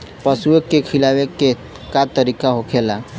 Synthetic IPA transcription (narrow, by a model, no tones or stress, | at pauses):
pəsuekːekʰilaʋekːe | kat̪əɾikaɦokʰela